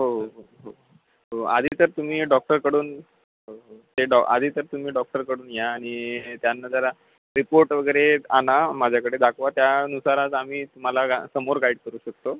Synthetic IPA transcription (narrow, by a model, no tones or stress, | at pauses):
ɦoɦɦoɦo | ɦoa̰d̪ʱiːt̪əɾt̪um̤iːɖɔk̚ʈəɾkəɽuːn | ɦt̪eɖɔa̰d̪ʱiːt̪əɾt̪um̤iːɖɔk̚ʈəɾkəɽuːnjaːɽ̃it̪janːad͡zaɾa | ɾipoɾʈʋəɡəɾeanamad͡ʑʱjakəɽed̪akʰʋat̪jaənusaɾat̪am̤iːt̪um̤alaɡsəmoɾɡaiɽkəɾuːɕək̚t̪o